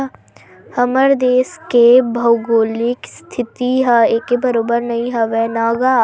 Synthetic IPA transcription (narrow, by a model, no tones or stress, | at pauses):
hɐməɾd̪eːskebʱɐwɡoːlɪkst̪ʰɪt̪iɦaeːkebɐɾoːbəɾnɐɦĩɦɐʋɛnaːɡa